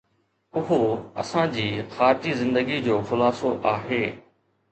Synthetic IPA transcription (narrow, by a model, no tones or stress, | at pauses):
ʊɦoɐ̰sãd͡ʑiːxaːɾd͡ʑizɪ̃nd̪əɡid͡ʑoːxʊlaːsoʔaːɦeː